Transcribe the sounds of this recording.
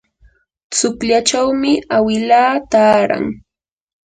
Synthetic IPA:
t͡sʊkʎat͡ʃawmɪawɪlaːt̪aːɾa̰ŋ

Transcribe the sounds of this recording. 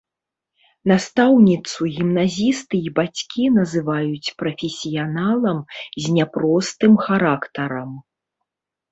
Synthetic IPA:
nast̪awnʲit̪suɣʲimnazʲist̪ɨibat͡sʲkʲinɐzɨvajut͡sʲpɾɐfʲesʲijanalˠɐmzʲnʲapɾɔst̪ɨmxaɾakt̪ɐɾɐm

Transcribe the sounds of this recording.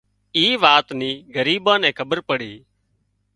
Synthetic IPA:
iːʋaːt̪niːɡəɾiːbãːnɛ̃ːkʰəbəɾpəɽiː

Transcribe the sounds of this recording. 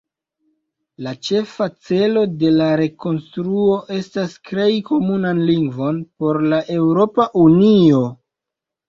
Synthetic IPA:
lat͡ʃe̞fat͡se̞lo̞de̞laɾe̞ko̞nstɾuo̞ʔe̞stastɾe̞jko̞munanliŋɡvo̞npo̞ɾlaʔe̞wɾo̞paʔunio̞

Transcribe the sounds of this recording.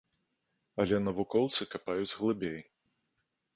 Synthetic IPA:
ɐlʲɛnɐvukɔwt̪sɨkapajud͡zʲɣlˠɨbʲej

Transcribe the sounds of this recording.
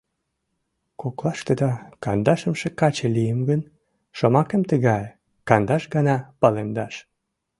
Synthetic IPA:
koklɑʃt̪ed̪ɑkɑnd̪ɑʃəmʃekɑt͡ɕelijəmɡən | ʃomɑkəmt̪əɣɑj | kɑnd̪ɑʃɡɑnɑpɑlemd̪ɑʃ

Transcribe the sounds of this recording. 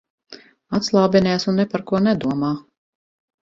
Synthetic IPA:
at̪slˠawbʲɛnʲɛjsunːɛpaɾkuɔnɛd̪uɔmaː

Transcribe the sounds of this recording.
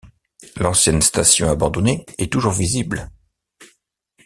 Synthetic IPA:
lɑ̃sjɛnst̪asjɔ̃abɑ̃d̪ɔneɛt̪uʒuʁvizibl

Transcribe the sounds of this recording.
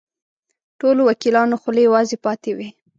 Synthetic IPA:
ʈolowakilɑnoxʊlejawɑzepɑt̪ewi

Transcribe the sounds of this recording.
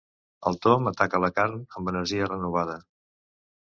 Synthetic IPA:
əlˠt̪omət̪akələkaɾnəmbənəɾʒiərənuβ̞að̞ə

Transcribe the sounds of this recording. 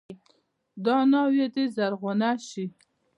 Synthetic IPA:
d̪ɑnɑwed̪ezaɾɣʊnaʃi

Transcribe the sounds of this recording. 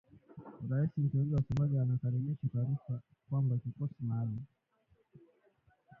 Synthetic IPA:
ɾaisim̩tɔiŋɡiwasɛmaʄɛanakaɾɛmiʃataɾifa | kwambakikɔsimali

